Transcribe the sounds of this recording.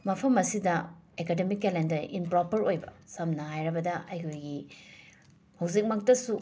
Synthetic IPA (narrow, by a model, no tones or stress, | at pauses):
mɐpʰɐmɐsidɐekedemikːelendɐɾḭnpɾopɐɾojbɐ̰sɐmnɐɦajɾɐbɐdɐʔɐjkʰojɡi | hɐwzik̚mɐk̚tɐsu